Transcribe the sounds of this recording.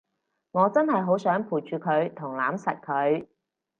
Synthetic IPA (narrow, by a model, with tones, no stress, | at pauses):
ŋɔː˨˧t͡sɐ˥nɦɐ˨jɦo˨˥wsœː˨˥ŋpʰuː˨˩jt͡ʃyː˨˧kʰɵ˨˧ɥt̪ʰʊ˨˩ŋlaː˨˥msɐ˨t̚kʰɵ˨˧ɥ